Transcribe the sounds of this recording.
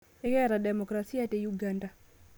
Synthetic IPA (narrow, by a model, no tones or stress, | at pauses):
ɛkɛɾadɛmɔkɾasijatejuɡanda